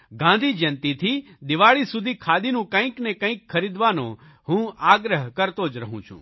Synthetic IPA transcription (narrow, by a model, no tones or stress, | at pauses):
ɡãːnd̪ʱid͡ʒɐnt̪it̪ʰid̪ɪʋaːɭisʊd̪ʱikʰaːd̪inũkə̃ĩknekə̃ĩkʰːəɾid̪ʋanõ̰ | ɦũaːɡɾəɦkəɾt̪oːd͡ʒɾəɦũt͡ʃʰṵ̃ː